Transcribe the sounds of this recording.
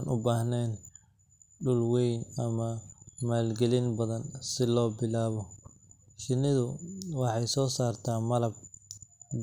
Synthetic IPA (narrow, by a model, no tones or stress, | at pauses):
nʔʊbaːhnɛːn | ɖʊlwɛjnɐmɐmaːlɡɛlɪnbɐðɐnsɪlɔːbɪlaːβɔ | t͡ʃɪnːɪðʊwɑħɑjsɔːsaːrt̪ʰaːmɐlɐb̚